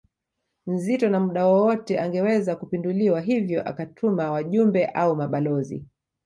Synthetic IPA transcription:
m̩zitɔnamuɗawɔwɔtɛʔaŋɡɛwɛzakupinduliwaɦivjɔʔa̰katʰumawaʄumbɛʔaumaɓalɔzḭ

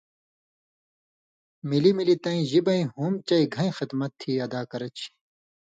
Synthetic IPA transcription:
milimilit̪ɐ̃ĩʑibɐĩɦuːmt͡ɕɐiɡʱɐ̃ĩxɐt̪mɐt̪ʰːiːɐd̪aːkɐɾɐt͡ɕʰi̥

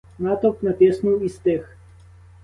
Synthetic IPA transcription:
nat̪ɔknat̪ʲɛsnoist̪ɛx

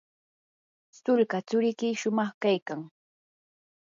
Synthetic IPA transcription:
st̪ʊlkat͡sʊɾɪkɪʃʊmɑχkajkaŋ

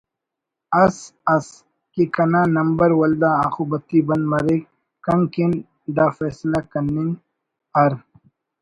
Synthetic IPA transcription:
ɐsɐs | kikɐnaːnɐmbɐɾwɐld̪aːaːxubɐt̪ːibɐ̃nd̪mɐɾik | kɐŋkin | ɖ̪aːfɛːslakɐnːɪŋ | ɐɾ

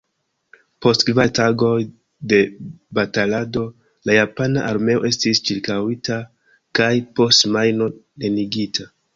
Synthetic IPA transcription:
po̞stkvataɡo̞j | de̞batalado̞ | lajapanaʔaɾme̞o̞ʔe̞stist͡ʃiɾkawita | kajpo̞stmajno̞ | ne̞niɡitʰa

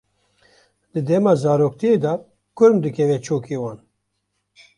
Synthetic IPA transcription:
d̪̥ɨd̪ɛmɑːzɑːɾoːk̚t̪ʰieːd̪ɑ | kʊɾmd̪ɨkʰɛvɛt͡ʃʰoːkʰeːwɑːn

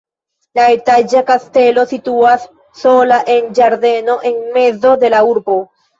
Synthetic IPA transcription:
laet̪ad͡ʒakast̪e̞lo̞sit̪uasː | o̞laʔe̞nd͡ʒaɾd̪e̞no̞ʔe̞ŋme̞zo̞d̪e̞lauɾbo

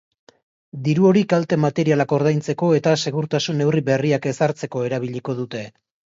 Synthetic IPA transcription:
d̪iɾuo̞ɾikalt̪e̞mat̪e̞ɾialako̞ɾð̞ajnt͡se̞ko̞e̞t̪ase̞ɣuɾt̪asune̞wriβe̞riake̞saɾt͡se̞ko̞e̞ɾaβ̞iʎiko̞ð̞ut̪e̞

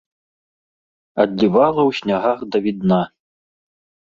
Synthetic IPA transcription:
ɐd̪ʲlʲivalˠɐwɕʲnʲaɣaɣd̪ɐvʲid̪na

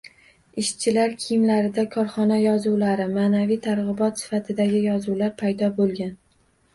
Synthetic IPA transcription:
ɪʃt͡ʃʰɪlaɾkʲʰɪjmlaɾɪd̪akʰɒɾχɒnajɒzuwlaɾɪmaːnavijt̪ʰaɾʁɨbɒt̪sɪ̥fat̪ʰɪd̪aɡʲɪjɒzuwlaɾpʰajd̪ɒbolˠɡʲan

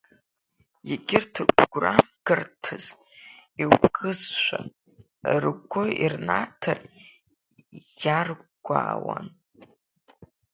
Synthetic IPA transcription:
jaɡʲɪrtʰɨɡɡʷraɡ̥ɨrtʰɨz | iwɡʼɨzʃʷa | rɡʷʊirnatʰar | jarɡʷaːwan

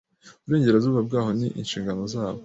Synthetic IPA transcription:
uβuɾe̞ːɲɟe̞ɾazuːβab̚ɡaːho̞niʔḭnʃiːŋɡano̞zaːβo

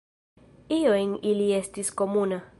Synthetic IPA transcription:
iojniliest̪iskomuna

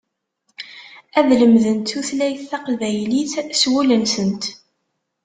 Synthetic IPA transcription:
æðləmðənt̪uθlæjθːɑqvæjliθswulənsənt̪

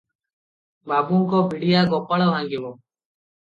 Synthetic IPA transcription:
baːbũːŋkoːbʱɪɽɪjaːɡoːpːəɭʋãːŋɡɪʋoː

